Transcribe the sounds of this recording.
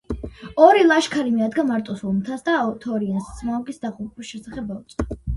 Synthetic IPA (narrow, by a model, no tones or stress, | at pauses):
ɔɾilˠaʃkʰaɾimiad̪ɡamaɾt̪ʼɔsulˠmt̪ʰasd̪aɔt̪ʰɔɾianssʰmaɔɡisd̪aʁupʼiʃɛsaχɛbaut̪sʼa